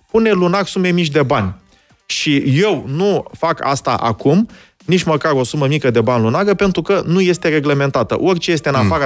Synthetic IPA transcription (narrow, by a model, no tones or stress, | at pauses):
pune̞lunaɡsumemit͡ʃʲd̪e̞banʲ | ʃije̞wnufaka̰st̪a̰ʔa̰kum | nit͡ʃməkaɾo̞suməmikəd̪e̞banlunaɡəpe̞nt̪ɾukənuje̞st̪e̞ɾe̞ɡleme̞nt̪at̪ə̰ʔo̞rʲt͡ʃeje̞st̪e̞ɨnafaɾə